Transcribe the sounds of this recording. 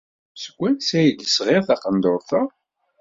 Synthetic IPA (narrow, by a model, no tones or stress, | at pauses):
sə̥ɡʷːænsæjəd̪əsʁeʁθɑqənd̪ʊɾˤθə